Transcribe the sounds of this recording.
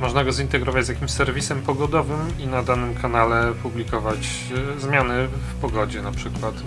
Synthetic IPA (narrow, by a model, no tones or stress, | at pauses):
mɔʐnaɡɔzint̪ɛɡɾɔvad͡ʑzjakʲimɕsɛɾvʲisɛmpɔɡɔd̪ɔvɘminad̪anɘmkʰanalɛpublʲikɔvat͡ɕ | zmʲjanɘfpɔɡɔd͡ʑɛnapʂɘkwat̪